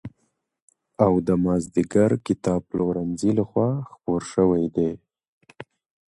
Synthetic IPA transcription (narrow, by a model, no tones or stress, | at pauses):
awd̪əmɑzd̪iɡaɾkɪt̪ɑb̚loɾanzilaxwɑxpoɾʃəwajd̪e